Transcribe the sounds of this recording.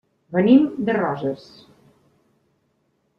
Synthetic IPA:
βə̆nimd̪ɘ̆rɑʒərs

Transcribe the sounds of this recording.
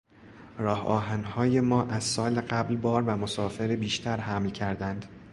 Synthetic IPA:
ɾɒːhɒ̰ːɦænhɒːje̞mɒːʔæzsɒːleɢæblbɒːɾvæmo̞sɒːfe̞ɾebiːʃt̪ʰæɾhæmlcʰæɾd̪ænd̪

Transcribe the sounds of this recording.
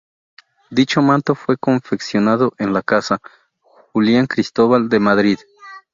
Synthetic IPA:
d̪it͡ʃomãnt̪o̞fwe̞ko̞ɱfe̞ksjo̞naðoʔenlakasa | xuljaŋkɾist̪oβald̪emaðɾið

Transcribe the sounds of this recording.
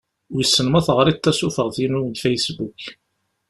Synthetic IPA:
ʊjəsːənmæθʁɾˤit̪ːæsufəʁθinʊnd̪fejsbuk

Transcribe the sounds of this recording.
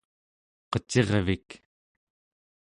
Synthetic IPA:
qʌt͡ʃeʁvik

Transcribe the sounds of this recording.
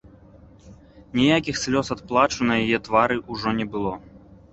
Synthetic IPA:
nʲijakʲixsʲlʲɔsɐt̪̚plˠat͡ʂunɐjɐjɛt̪vaɾɨʔuʐɔnʲɛbɨlˠɔ

